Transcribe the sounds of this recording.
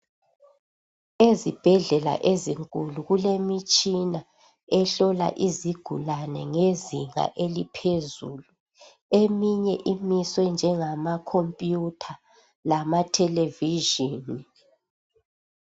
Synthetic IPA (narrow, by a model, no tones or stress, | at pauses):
ezib̥ʱɛɮɛla̰ʔeziŋkʼuluɣulemit͡ʃʼina | ɛɬɔla̰ʔiziɡ̥ʱulanɛŋeziŋa̰ʔelipʰezuːlu | emiɲɛʔimiswɛnd͡ʒʱɛŋamakʰompʼjutʰa | lamatʰɛleviʒini